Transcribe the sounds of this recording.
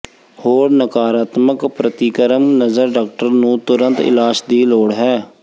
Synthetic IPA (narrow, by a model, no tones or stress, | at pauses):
hoːɾnəkaːɾaːt̪məkpɾət̪iːkəɾəmnəzəɾɖaːk̚ʈəɾnũːt̪ʊɾə̃nt̪ɪ̰laːʃd̪iːloːɽɦɛː